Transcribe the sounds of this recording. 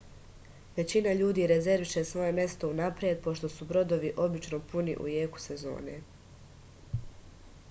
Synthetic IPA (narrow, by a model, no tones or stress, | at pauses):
ʋe̞t͡ɕinaʎuːd̪iːɾeze̞ɾʋiʃe̞sʋo̞je̞mje̞st̪o̞unapɾije̞d̪̚po̞ʃt̪o̞subɾo̞d̪o̞ʋiʔo̞bit͡ʃno̞punḭʔṵje̞ːku̥se̞zo̞̰ːne̞̰